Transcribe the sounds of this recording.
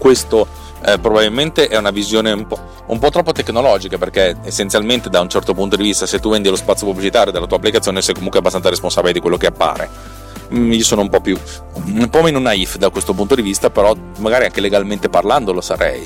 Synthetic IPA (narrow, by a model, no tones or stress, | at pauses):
kwest̪o | pɾobabilment̪eʔɛunavizjoːneumpɔ | ṵmpɔt̪ːɾɔpːot̪eknolɔd͡ʒikaperkeesːent̪sjalment̪ed̪aunt͡ʃɛrt̪opunt̪od̪ivist̪aset̪ːuvend̪ilospat̪sjopublit͡ʃit̪aːɾjod̪elat̪uːapːlikat̪ːjoːnesɛjkomuŋkweɛabːast̪ansaɾesponsabiled̪ikwelːokeapːa̰ːɾḛ | iːosoːnoumpɔpːju | mpɔmenunaifd̪akwest̪op̬unt̪od̪ivist̪apeɾɔ | maɡaːɾiaŋkeleɡalment̪eparland̪olosaɾɛ̰j